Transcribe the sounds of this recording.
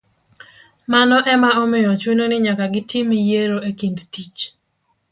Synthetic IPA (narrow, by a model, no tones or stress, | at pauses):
manɔʔɛmaomɪjɔt͡ʃwenonɪɲakaɡɪtʰimijeɾoekindtit͡ʃ